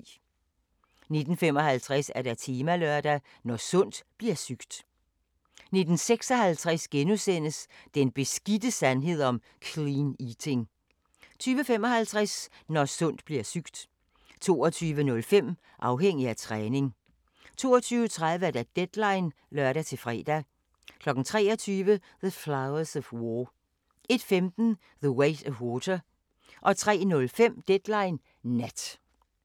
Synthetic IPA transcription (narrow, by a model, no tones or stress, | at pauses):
ne̝d̥n̩fem̰ɒ̽hælt͡sʰʁæsæɐɾ̥æt͡sʰiːmælœɐd̥æ | nɒsɔ̽n̰d̥b̥liɐsyɡ̥d̥ | ne̝d̥n̩seɡ̥sɒ̽hælt͡sʰʁasɡ̥enusen̰əsd̥enb̥e̝sɡ̥id̥əsænɦe̝ð̞̰ˠɒ̽m | kʰliːnit͡sʰe̝ŋ | t͡sʰyːʋəfem̰ɒ̽hælt͡sʰʁasnɒsɔ̽n̰d̥b̥liɐsyɡ̥d̥ | t͡sʰo̝ːɒt͡sʰyːʋənɔ̽lfem̰ | ʔɑ̈ʊɦeŋ̰iæt͡sʰʁɛːne̝ŋ | t͡sʰo̝ːɒt͡sʰyːʊət͡sʰʁaðˠʋəæd̥æd̥ed̥lɑ̈ɪn | lœɐɾæt͡sʰe̝lfʁɛ̰ːd̥æ | kʰlɒ̽ɡ̥n̩t͡sʰʁɛːɒt͡sʰyːʋə | ðəflaʊɐsɒfwɔ | ʔe̝d̥femd̥n̩ | ðəweɪdɒfwɔːdʰɐ | ʔɒ̽t͡sʰʁɛ̰ːnɔ̽lfem̰d̥ed̥lɑ̈ɪnː | æd̥